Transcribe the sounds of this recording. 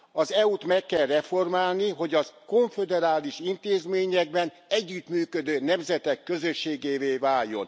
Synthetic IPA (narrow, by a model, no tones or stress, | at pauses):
ɒzɛut̪mɛkːɛlrɛfo̞rmaːlniɦo̞ɟɒzko̞ɱfɛd̪ɛɾaːliʃint̪eːzmeːɲɛɡ̚bɛn | ɛɟːyt̪myːkød̪øːnɛmzɛt̪ɛkːø̞zøʃːeːɡeːveːvaːljːo̞̰n